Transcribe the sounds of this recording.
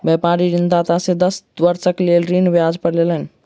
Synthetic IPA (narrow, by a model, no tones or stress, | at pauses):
bjɛpaɾiɾind̪at̪asẽd̪əsʋəɾsəklelɾinbjad͡ʒpəɾlelən